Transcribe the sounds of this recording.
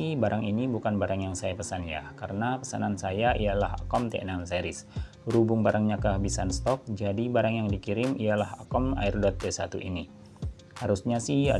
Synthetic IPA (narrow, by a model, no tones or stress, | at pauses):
ihbaɾaŋinibukanbaɾaŋjaŋsajapəsanja̰hkaɾənapəsa̰nansajaʔijalaɦa̰kɔmt̪eʔɛnanseɾɪs | ɾubʊŋbaɾaŋɲakəɦabisanst̪ɔk̚d͡ʒadibaɾaŋjaŋdikiɾɪmijalaɦakɔma̰ɪrdɔt̪̚ːesat̪uʔḭni | haɾusɲasɪha̰